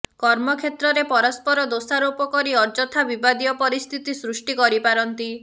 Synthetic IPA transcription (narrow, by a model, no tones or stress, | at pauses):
kɔɾmɔkʰet̪ɾɔɾepɔɾɔspɔɾɔd̪osaɾupɔkɔɾiɔɾd͡ʒɔt̪ʰabibad̪ijɔpɔɾist̪ʰit̪isɾusʈikɔɾipaɾɔnt̪i